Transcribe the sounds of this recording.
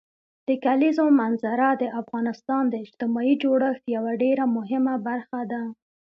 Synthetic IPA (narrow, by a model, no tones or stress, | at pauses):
d̪̥əkalizomanzaɾad̪əʔafɣɑnɪst̪ɑnd̪əɪd͡ʒt̪ɪmɑid͡ʒoɽəxt̪jawaɖeɾamʊɦɪmabaɾxad̪a